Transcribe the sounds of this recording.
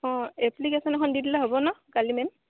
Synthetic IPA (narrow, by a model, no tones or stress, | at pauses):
ɔ̃ɛplikesɔnɛxʰɔndidilaɦobɔnɔkalimɛn